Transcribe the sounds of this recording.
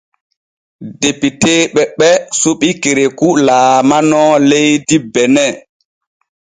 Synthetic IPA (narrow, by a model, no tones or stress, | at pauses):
depiteːɓɛɓɛsuɓikeɾekulaːmanɔlejdibɛnɛ